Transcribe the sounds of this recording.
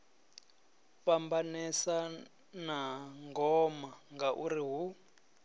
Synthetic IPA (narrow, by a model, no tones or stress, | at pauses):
fambanɛsa | naŋɡɔmaŋɡaʔuriɦu